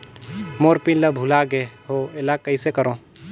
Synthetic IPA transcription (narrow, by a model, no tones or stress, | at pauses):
moːɾpinləbʱulaɡeɦoelakːəisekəɾõː